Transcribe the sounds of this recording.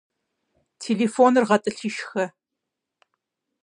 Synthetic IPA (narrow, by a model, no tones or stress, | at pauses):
tʰeːɮefoːnɨrʁɐtʼɨɬɨʃxɐ